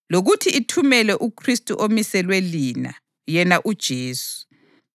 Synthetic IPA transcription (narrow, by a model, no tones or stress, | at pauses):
loɣutʰiitʰumɛlɛʔukʰristʼṵʔomisɛlwelina̰ | jɛnaʔud̥ʒ̥ʱeːsu̥